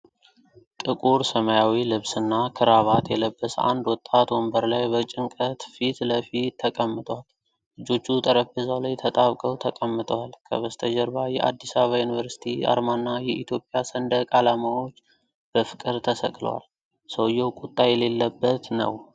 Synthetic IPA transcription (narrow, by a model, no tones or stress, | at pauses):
t̪ʼɨkʼuɾsəmajawilɨβsɨnːakʰɨɾaβat̪jɛləbːəsa̰nd̪wɔt̪ʼːat̪wɔmbəɾlajbət͡ʃʼɪŋkʼət̪fit̪ləfit̪ʰːəkʼəmːɨt̪ʼwal | lɨd͡ʒo̞t͡ʃːut̪ʼəɾəbɨzalajt̪ʰət̪ʼaβkʼəwt̪ʰəkʼəmːɨt̪ʰʼəwalkʰə̰βəst̪ʰəd͡ʒəɾbajɛʔa̰d̪ːisaβajunɨvəɾsi̥t̪ʰia̰ɾmanːajɛʔit̪ʰjo̞pʼjasənd̪əkʼalamawo̞t͡ʃː | b̥əfɨ̥kʼɨɾt̪ʰəsə̰kʼlə̰wa̰l | səwjːɛwkʼut̪ʼːajɛle̞lːəbːət̪nə̰w